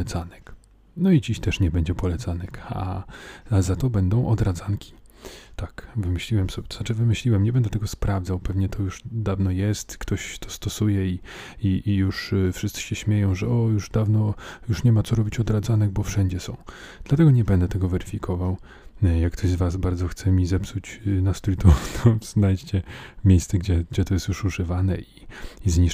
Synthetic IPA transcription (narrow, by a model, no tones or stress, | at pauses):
ɛt̪sanɛk | nɔid͡ʑiɕt̪ɛʂɲɛbɛɲd͡ʑɛpɔlɛt̪sanɛka̰a̰azat̪ɔbɛnd̪ɔ̃w̃ʔɔd̪ɾad̪zaŋkʲʰi̥ | t̪akvɘmɘɕlʲiwɛmsɔbʲt̪ɔznat͡ʂɘvɘmɘɕlʲiwɛmɲɛbɛnd̪ɛt̪ɛɡɔspɾavd̪zawpɛvɲɛt̪ʰɔjuʂd̪avnɔjɛst̪kt̪ʰɔɕt̪ʰɔ̥st̪ɔsujɛiiʔijuʂfʂɘst̪sɘ̥ɕɛɕmʲjejɔ̃w̃ʐɛɔjuʐd̪avnɔjuʂɲɛmat̪ɔɾɔbʲit͡ɕɔd̪ɾad̪zanɛɡbɔfʂɛɲd͡ʑɛsɔ̰̃w̃ | d̪̥lat̪ɛɡɔɲɛbɛnd̪ɛt̪ɛɡɔvɛɾɘfʲikʰɔvaw | jakkːt̪ɔʑzvas̬baɾd̪zɔxt̪sɛmʲizɛpsut͡ɕnast̪ulʲit̪ɔt̪ʰɔznajt͡ɕt͡ɕɛmʲejst̪sɛɡd͡ʑɛɡd͡ʑɛt̪ɔjɛst̪juʂuʐɘvanɛiizɲi